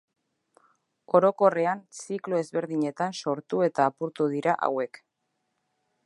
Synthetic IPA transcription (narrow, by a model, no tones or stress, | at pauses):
o̞ɾo̞ko̞re̞ansikloe̞zβe̞ɾðiɲe̞t̪anso̞ɾt̪ue̞t̪aːpuɾt̪uðiɾaʔa̰we̞k